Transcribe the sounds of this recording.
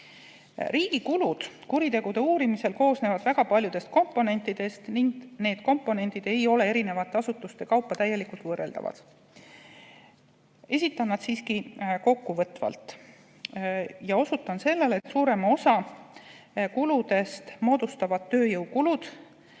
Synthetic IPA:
riːɡ̥ikulud̪̥kuɾit̪e̞ɡ̥ud̪̥e̞uːɾimise̞lko̞ːsne̞ːvɑd̪̥væɡ̥ɑpɑlʲjud̪̥e̞st̪̚ko̞mpːˑo̞ne̞nt̪ːˑid̪̥e̞st̪niŋɡne̞ːd̪̥ko̞mpːˑo̞ne̞nt̪id̪e̞jo̞le̞eɾine̞vɑt̪ːˑeɑsut̪ːˑust̪e̞kɑwpːˑɑt̪æjːe̞likult̪vɤːre̞ld̪ɑ̰vɑ̰d̪̥ | e̞sʲit̪ːˑɑnːɑd̪̥siːskiko̞kːuvɤt̪ːvɑ̰lt̪ | jɑo̞sut̪ːˑɑnse̞lːe̞let̪ːsuːɾe̞mo̞sɑ | kulud̪e̞st̪mo̞ːd̪̥ust̪ɑvɑd̪̥t̪ːøːjɤwkulud̪̥

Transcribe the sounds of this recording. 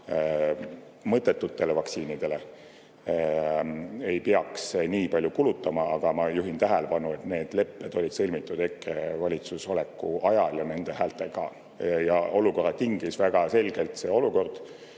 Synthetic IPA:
mɤt̪ːˑe̞t̪ːut̪ːe̞le̞vɑksiːnid̪̥e̞le̞ | e̞jpeɑksniːpɑlʲjukulut̪ːˑɑmɑɑɡ̥ɑmɑjuɦint̪æɦæle̞pɑnue̞t̪ne̞ːd̪̥le̞pːed̪̥o̞lʲid̪̥sɤlʲmit̪ːˑud̪̥ekːˑevɑlʲit̪suso̞le̞kːˑuɑjɑljɑne̞nd̪e̞ɦæːlt̪e̞ɡɑ̰ | jɑ̰o̞luko̞rːɑt̪iŋɡ̥isvæɡ̥ɑse̞lʲɡ̥e̞lt̪seːo̞luko̞rd̪̥

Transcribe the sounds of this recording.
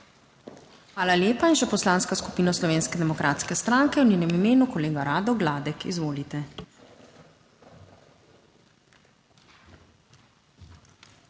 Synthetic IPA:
xʋaːlaljeːpainʃɛpɔslaːnskasku̥piːnɔslɔʋeːnskɛd̪ɛmɔkɾʔaːt̪skɛst̪ɾaŋkɛwnʲɛːnɛmimeːnukɔleːɡaɾaːd̪ɔɡlaːd̪ɛkḭzʋoːlit̪ɛ

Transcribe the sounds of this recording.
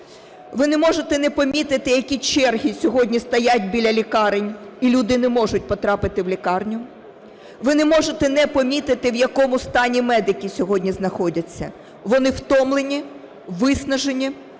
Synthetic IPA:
ʋɪnɛmɔʒet̪ɛnɛpɔmʲit̪ɪt̪ɪjɐkʲit͡ʃɛrɦʲisʲɔɦɔdʲnʲist̪ɐjatʲbʲilʲɐlʲikɑɾenʲilʲud̪ɪnɛmɔʒʊt̚ʲpɔt̪ɾɑpɪt̪ɪwlʲikɑrnʲʊ | ʋɪnɛmɔʒet̪ɛnɛpɔmʲit̪ɪt̪ɪwjɐkɔmʊst̪ɑnʲimɛd̪ɪkʲisʲɔɦɔdʲnʲiznɐxɔdʲɐt͡sʲːɐ̰ | ʋɔnɪwt̪ɔmlˠenʲi | ʋɪsnɐʒenʲi

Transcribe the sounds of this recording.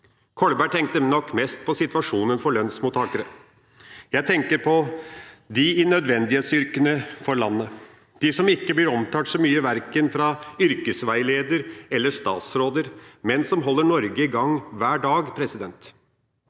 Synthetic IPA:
kʰɔɭbæːʈ̪ʰɛŋk̚t̪ənɔkːmɛst̪̚pʰɔsɪt̪ʋɑʂuːnənfɔɭœnsmuːt̪ʰːɑːkəɾə | jæɪt̪ʰɛŋkəɾpʰɔ | d̪ɪɪnœd̪ʋɛnd̪ɪheːt̪sʏɾkənəfɔɾɭɑnːə | d̪̥ɪsɔmɪkːəblɪɾɔmt̪ʰɑːsɔmyːəʋæɾkənfɾɑʏɾkəsʋæɪleːd̪əɾɛlːəʂt̪ɑ̰ːt̪sɾoːd̪əɾmɛnsɔmɦɔlːəɳɔɾɡəɪɡɑŋːʋæːɖɑːɡpʰɾɛsɪd̪ɛnt̪

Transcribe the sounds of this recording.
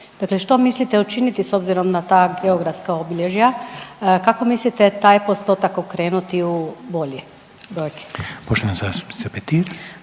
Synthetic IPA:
d̪akleʃt̪o̞mislit̪eut͡ʃinit̪iso̞bziɾo̞mnat̪aːɡeoɡɾafskaobiʎeʒja | kako̞mislit̪et̪aːjpost̪o̞t̪akokɾeːnut̪iubo̞ʎe | bɾojke̥poʃt̪oʋansasi̥sepet̪iɾ

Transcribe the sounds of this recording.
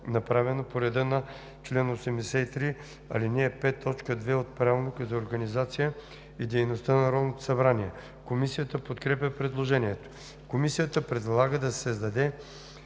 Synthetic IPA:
nɐpɾavɛnopoɾɛd̪ənɐ | t͡ʃlɛnosɛmd̪ɛsɛit̪ɾi | ɐ̰linɛːpɛt̪ʰːɔt͡ʃkəd̪vɛot̪̚pɾavˠnokəzɐoɾɡɐnizat̪sijə | id̪ɛjnost̪ənɐɾɔlˠnot̪o̥sɐbɾaniɛ | komisijət̪əpot̪kɾɛp̬ʲəpɾɛd̪lˠoʒɛniɛt̪o̥ | komisijət̪əpɾɛd̪lˠaɡəd̪ɐssɛzd̪ɐd̪ɛ

